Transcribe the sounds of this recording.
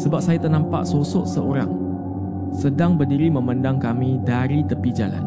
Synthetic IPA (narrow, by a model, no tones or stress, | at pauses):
səbap̚sajat̪ərnampa̰ʔsosɔʔsəoɾa̰ŋ | sədaŋbərdiɾimə̃mə̃ndaŋkamĩdaɾit̪əpid͡ʒala̰n